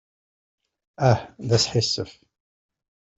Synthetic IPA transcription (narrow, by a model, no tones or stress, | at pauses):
æhðæsħisːəf